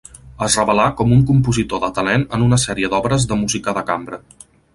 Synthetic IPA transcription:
əzrəβəlakɔmuŋkumpuzit̪oðət̪əlɛnənunəsɛɾiəd̪ɔβɾəzðəmuzikəðəkambɾə

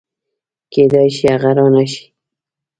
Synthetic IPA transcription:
keːd̪ajʃɪaʁɑɾanaʃi̥

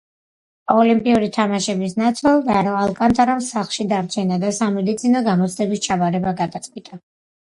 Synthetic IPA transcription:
ɔlimpʼiuɾit̪ʰamaʃɛbisnat̪sʰɛlˠd̪aɾɔalˠkʼant̪ʰʼaɾamsaχlˠʃid̪aɾt͡ʃʰɛnad̪asamɛd̪it̪sʰinɔɡamɔt̪sʰd̪ɛbist͡ʃʰabaɾɛbaɡad̪at̪sʼkʼwit̪ʼa

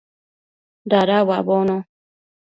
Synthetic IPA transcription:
daɾawabono

